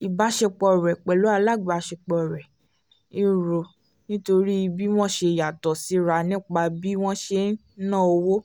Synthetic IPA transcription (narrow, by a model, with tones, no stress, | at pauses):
i˨ba˨˦ʃɛ˧k͡pɔ˧˨ɾɛ˨k͡pɛ˨lo˨˦a˧la˦˨ɡ͡ba˧ʃɛ˧k͡pɔ˧˨ɾɛ˨ | i˧ɾo˧ | nĩ˦to˧ɾi˦i˧bi˦w̃ɔ̃˦ʃe˧˨ja˨tɔ˨si˨˦ɾa˧˨nĩ˦k͡pa˧bi˦w̃ɔ̃˦ʃe˧˦nã˦˨o˧wo˦